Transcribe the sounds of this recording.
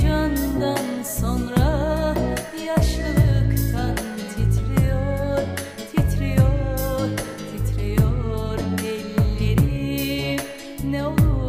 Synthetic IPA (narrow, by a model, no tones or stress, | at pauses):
d͡ʒand̪anso̞nɾa | jaʃˠɯlˠɯkt̪ʰan | t̪ʰit̪ʰɾijoɾ | t̪ʰit̪ʰɾijoɾ | t̪ʰit̪ʰɾijoɾɛlːeɾi | nɛo